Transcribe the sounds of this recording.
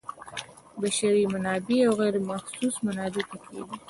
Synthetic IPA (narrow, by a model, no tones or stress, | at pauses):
baʃaɾimanɑbiawɣeɾmaxsusmanɑd̪ɪt̪akḛɡi